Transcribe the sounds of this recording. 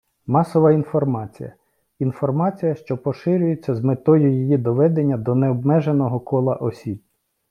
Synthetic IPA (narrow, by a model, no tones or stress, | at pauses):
mɑsɔʋɐin̪fɔrmɑt͡sʲḭjɐ̰ | infɔrmɑt͡sʲijɐʃt͡ʃɔpɔʃɪɾʲʊjet͡sʲːɐzmet̪ɔjʊjijid̪ɔʋɛd̪enʲːɐd̪ɔneɔbmɛʒenɔɦɔkʰɔlˠɐʔɔsʲib̚